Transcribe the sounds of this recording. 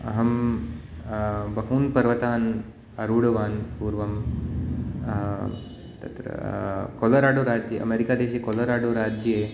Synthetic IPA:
ɐ̰ɦɐm | bɐɦuːnpɐɾʋɐt̪aːn | ɐɾuːɽɐʋaːnpuːɾʋɐm | t̪ɐt̪ɾɐ̰kolɐɾaːɽoːɾaːd͡ʒjeʔɐ̰meːɾikaːd̪eːʃekolɐɾaːɽoːɾaːd͡ʒje

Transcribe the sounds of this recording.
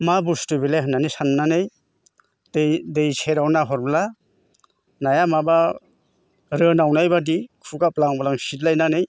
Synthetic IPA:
mabustubilajɦɯnːanisanːanɯj | dedejsʰeɾawnaɦɔɾbla | najamaba | ɾɯnawnajbadikʰuɡaplaŋbalaŋsitlajnanɯj

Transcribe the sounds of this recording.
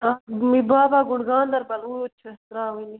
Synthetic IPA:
amibaːbaːɡʊɳɡãːnd̪ɐɾbɐluːjot͡ʃʰɐt̪ɾaːɦuni

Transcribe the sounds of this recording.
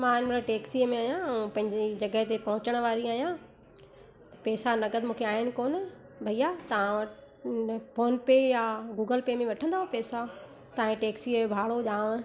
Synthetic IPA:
mãːnmɾaʈeːksimẽaːɦijãɛ̃pɐ̃ɦɪ̃ɲd͡ʑed͡ʑɐɡəɦt̪epɐɦʊ̃t͡ɕəɽ̃ʋaːɾiaːijã | pɛːsanɐɡəd̪mũːkʰeaːɦɪnɪ̆koːn | bʱɐijat̪ɐʋ̤ãɐ | foːnpeːjaɡuːɡəlpeːmẽʋɐʈʰə̃nd̪aːɦopɛːsa | t̪ɐ̃ẽʈeːksiːẽbʱaːɭoʄaːʋ̃ə̆

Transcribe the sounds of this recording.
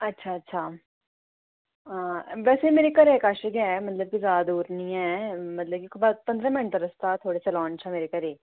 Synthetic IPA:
ɐtːʃʰaːətːʃʰaː | ʋɛːseimeːɾekəɾekaːʃəɡɛmət̪ləb̚kizjaːd̪ad̪uːɾnĩːɛːmɐt̪ləb̚kikbəpə̃nd̪ɾãːmɪ̃ɳʈəɾəst̪aːt̪ʰoːɽeːselɔ̃ːnt͡ʃɛmeːɾekəɾeː

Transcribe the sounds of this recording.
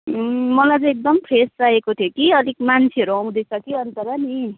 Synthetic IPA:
mʌlajt͡sʌ̃ek̚d̪ʌmpʰɾest͡saekot̪ʰjokiʌlikmant͡sʰiʌɾuaw̃d̪ʌjt͡sʰʌkiʌnt̪ʌɾʌni

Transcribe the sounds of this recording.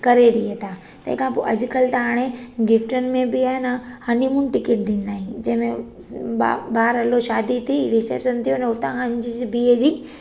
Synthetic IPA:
kɐɾeɽiet̪ʰaː | t̪ɐ̰ɦɪ̃kʰãpoːʔɐd͡ʑʊkɐlt̪ɐɦaːɽ̃eɡɪfʈənɪ̆mẽbɪaːɦɪnəhanimũnɪ̆ʈɪkeʈ̚d̪ĩːn̆d̪aːɦĩd͡ʑɐ̃ɦɪ̃mẽ | babaːɾɐloʃaːd̪it̪ʰiɾɪsḛɾsənt̪ʰijonəʊt̪ãand͡ʑisbiedi

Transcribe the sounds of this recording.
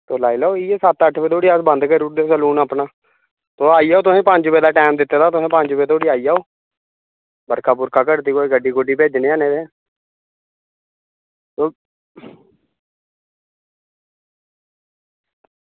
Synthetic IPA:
t̪oːlaːiːlaoːiːeːsət̪əʈʰpeːt̪oːɽiːasbənd̪kəɾud̪eːsəluːnaːpnaː | t̪oːaːiːaːoːt̪̬ʊsẽːpəɲd͡ʒpeːd̪aːʈɛːmd̪ɪt̪ːeːt̪aːt̪ʊsẽːpəɲd͡ʒpeːt̪oːɽiːaːiːaːoː | bəɾkaːpʊɾkaːkəɽt̪iːɡoːeɡəɖiːkoɖiːpeːd͡ʒnẽːaːneːd̪eː | t̪oː

